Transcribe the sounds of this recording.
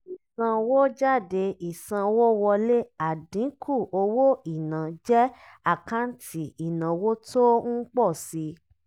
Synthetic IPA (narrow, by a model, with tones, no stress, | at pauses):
i˨sã˧wo˦d͡ʒa˦˨de˧i˨sã˧wo˦wɔ˧le˦a˨dĩ˨˦kʰu˦˨o˧wo˦i˨nã˨d͡ʒɛ˦ | a˦˨kã˦n̩˦ti˦i˨nã˨wo˦to˦ŋ̩˦k͡pɔ˦˨si˧˦